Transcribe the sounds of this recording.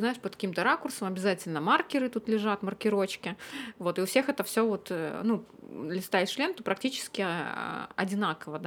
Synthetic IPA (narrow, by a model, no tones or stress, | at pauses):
znaɪʂpət̪kɐ̥kʲimt̪əɾakʊrsəmɐbʲɪzatʲɪlʲnəmarkʲɪɾɨt̪ut̪lʲɪʐat̪mərkʲɪɾo̞t͡ɕkʲɪvo̞t̪ɨʊfsʲexɛt̪əfsʲovo̞t̪ənud̪lʲɪst̪aɪt̪ʲʂlʲe̞nt̪opɾɐk̚tʲit͡ɕɪ̥skʲɪ̰ | ɐ̰dʲɪnakəvəd̪